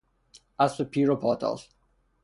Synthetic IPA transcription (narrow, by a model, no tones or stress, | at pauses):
asəpʰiɹopʰɔtʰa̰lˠz̥